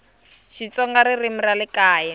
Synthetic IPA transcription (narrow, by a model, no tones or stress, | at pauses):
ʃit͡sɔŋɡaɾirim̩ralɪkaːjɛ